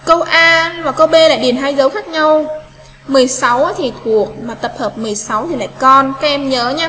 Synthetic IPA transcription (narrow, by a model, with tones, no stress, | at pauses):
kə˧wʔaː˧vaː˨˩kə˧wɓe˧la̰ː˧˨jɗi˨˩ənɦaː˧jzə˨˦wxaː˦˥k̚ɲa˧w | mɨ˨˩əjsa˨˦wa˨˦t̪ʰi˨˩t̪ʰu˨˩ək̚maː˨˩t̪ə˨˩p̚həː˨˩p̚mɨ˨˩əjsa˨˦wt̪ʰi˨˩la̰ː˧˨jkɔ˧nkaː˦˥k̚ʔɛ˧mɲəː˨˦ɲaː˧